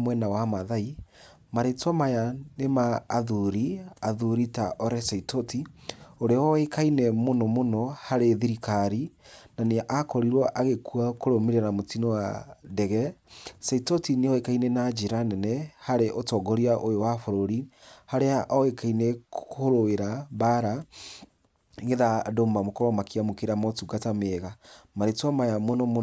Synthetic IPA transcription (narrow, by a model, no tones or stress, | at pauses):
mwɛnawamaðai | maɾetwamajanemaːðuɾiaðuɾitaʔɔɾɛsaitɔtioɾeɔekainɛmonɔmonɔhaɾeðiɾikaɾinaneʔakɔɾiɾwɔʔaɣekuakoɾomeɾanamotinɔwa̰dɛɣɛsaitɔtineɔekainɛnad͡ʒeɾanɛnɛhaɾeʔotɔɡɔɾiaʔojowafoɾoɾihaɾeaʔɔekainɛkhoɾoeɾaβaɾa | ŋɡeðadomamokɔɾɔmakiamokeɾamɔtuɡatameɣamaɾetwamajamonɔm